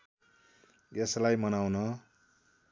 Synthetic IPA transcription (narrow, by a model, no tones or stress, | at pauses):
eslajmʌnawnʌ